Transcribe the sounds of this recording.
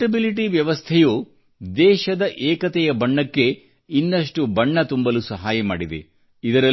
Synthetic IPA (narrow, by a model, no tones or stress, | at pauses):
ʈɐbiliʈiʋjɐʋɐst̪ʰɛjuː | d̪ɛːʃɐd̪ɐʔɛːkɐt̪ɛjɐbɐɳːɐkːe̞ | inːɐʂ̬ʈubɐɳːɐt̪umbɐlusɐɦaːjɐma̰ːɽid̪ḛ | id̪ɐɾɐ